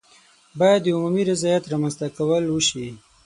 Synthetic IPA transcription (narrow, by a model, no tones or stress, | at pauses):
bɑjad̪ːəumumiɾɪzɑjat̪ɾamanzt̪akawəlwəʃi